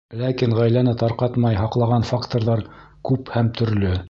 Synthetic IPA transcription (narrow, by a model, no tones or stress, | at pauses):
lækiŋʁæjlænɘt̪ɑɾqɑt̪mɑjɦɑqlˠɑʁɑnfakt̪oɾðɑɾ | kʉphæmt̪ɵ̆ɾlɵ